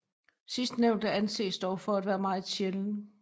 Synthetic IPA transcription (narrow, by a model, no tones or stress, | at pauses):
sisd̥neʊnd̥əænse̝̰ːsd̥ɒʊfɒ̽æd̥ʋæːɐmɑ̈ːð̩ˠɕelənə